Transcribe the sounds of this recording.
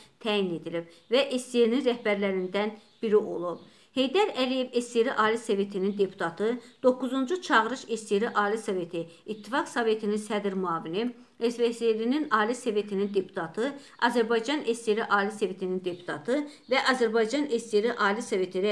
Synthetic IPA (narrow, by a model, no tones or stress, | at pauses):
t̪ʰæːjine̞d̪ilib̥ | væʔest̪eɾninɾæhbæɾlæɾind̪ænb̥iɾiʔo̞̰lˠub̥̚ | he̞jd̪æɾælije̞vest̪eɾiʔɑːliseve̞t̪ʰinind̪e̞pʰu̥t̪ʰɑt̪ʰɯd̪̥o̞kːuzund͡ʒut͡ʃʰɑɣɯɾɯʃest̪eɾiʔɑːlisɑve̞t̪ʰiːt̪ʰːifɑksɑve̞t̪ʰininsæd̪ɾmuɑːvini | eseselininɑːliseve̞t̪ʰinind̪e̞pʰu̥t̪ʰɑt̪ʰɯ | ɑzæɾbɑjd͡ʒɑne̞st̪eɾiʔɑːliseve̞t̪ʰinind̪e̞pʰu̥t̪ʰɑt̪ʰɯvæʔɑzæɾbɑjd͡ʒɑnest̪eɾiʔɑːlisɑve̞t̪ʰiɾɛ